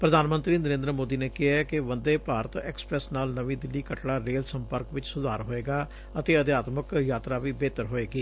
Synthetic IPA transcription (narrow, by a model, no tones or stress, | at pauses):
pɾəd̪ʱaːnmənt̪ɾiːnəɾẽːnd̪ɾəmoːd̪iːneːkɪɦaːɛkɪʋənd̪eːpaːɾət̪ɛ̰ːksə̥pɾɛːsnaːlnəʋĩːd̪ɪlːiːkəʈɽaːɾeːlsəmpəɾkʋɪt͡ʃsʊd̪aːɾɦoːeːɡaː | ət̪eːəd̪jaːt̪məkjaːt̪ɾaːʋiːbeːt̪əɾɦoːeːɡiː